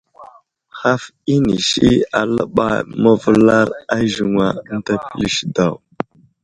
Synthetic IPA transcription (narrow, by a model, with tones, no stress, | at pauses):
xa˦f | i˦ni˨ʃi˦a˨lə̰˦ɓa˨jmə˦və˦la˦ɾa˦ʒu˨ŋa˨˦n̩˦ta˦pi˦li˦ʃda˨w